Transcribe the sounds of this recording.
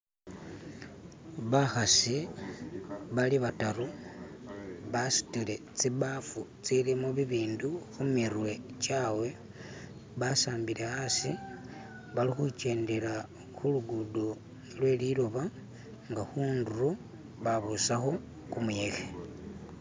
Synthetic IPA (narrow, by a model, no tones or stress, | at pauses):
βaxasi | βaliβataɾu | βasi̥tile̞ | t͡siβafut͡silimuβiβiːnduxumirwe̞t͡ʃawe̞ | βasaːmbiɾe̞hasḭ | βalixut͡ʃe̞ːnde̞ɾa | xuluɡudo | lwe̞ːliɾo̞βa | ŋɡaxuːnduro | βaβusaxo̞ | kumuje̞xe̥